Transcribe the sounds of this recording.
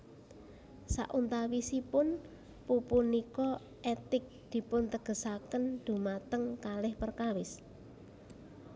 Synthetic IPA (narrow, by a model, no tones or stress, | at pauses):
sa̰ʔunt̪awisipʊn | pupunikɔ | et̪ɪk̚d̪̥i̤pʊnt̪əɡ̥ə̤sakənd̪̥ṳmat̪əŋkalɪhpərkawɪs